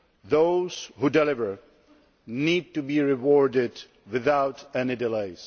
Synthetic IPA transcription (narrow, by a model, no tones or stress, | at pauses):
ðoʊz̥hudɛlɪvə˞ | niːd̚tubiɹɪwɔɹdɪd | wɪðaʊtɛnidɪleɪz̥